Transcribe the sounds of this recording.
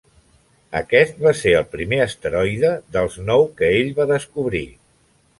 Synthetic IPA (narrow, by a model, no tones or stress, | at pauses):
ə̰kɛst̪̚βaseɾəlˠpɾimeəst̪əɾɔjðəðəlˠznɔwkəeʎβaðəskuβɾi